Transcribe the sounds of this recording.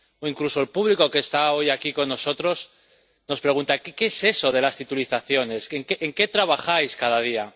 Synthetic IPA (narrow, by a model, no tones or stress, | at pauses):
oiŋkluso̞elpuβliko̞ke̞ːst̪ao̞jakiko̞nːoso̞t̪ɾo̞s | no̞spɾe̞ɣ̞unt̪akkeese̞so̞ð̞e̞last̪it̪uliθaθjo̞ne̞seŋkeʔeŋke̞t̪ɾaβ̞axajskaðaðia